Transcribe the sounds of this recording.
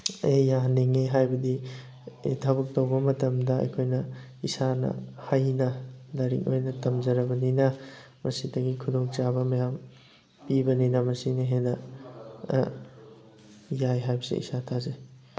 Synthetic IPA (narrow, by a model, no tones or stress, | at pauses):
ejaniŋeɦajbɐdi | edʰabɐk̚tɐwbɐmɐtɐmdɐɐ̰jkʰojnɐ | isanɐ̰hajnɐlɐɾḭkojnɐtɐmzɐɾɐbɐninɐ | mɐsidɐɡikʰudoŋt͡ʃabɐmɐjam | pibɐninɐmɐsiniɦenɐ̰ | jajɦajbɐsḛḭsatʰaze